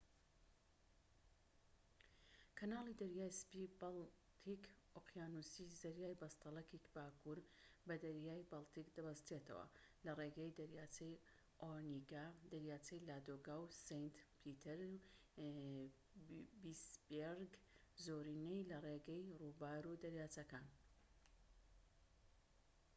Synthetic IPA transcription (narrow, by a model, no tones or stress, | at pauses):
kʰɐnaːlˠid̪ɐɾjaːjspibalt̪ʰik | oqjaːnusizɐɾjaːjbɐst̪ɑlˠɐkikbaːkʰuɾbɐd̪ɐɾjaːjbɐlˠt̪ikd̪ɐbɐst̪ɾet̪ʰɐ̰wɐ̰lɐreɡɛjd̪ɐɾjaːt͡sej | ʔoɾniɡad̪ɐɾjaːt͡sɐjlaːd̪oɡaːwsejnt̪pʰit̪ʰɛɾ | bisbeɾɡ | zoːɾinejlɐreɡɛjrubaːɾud̪ɐɾjaːt͡sɐkaːn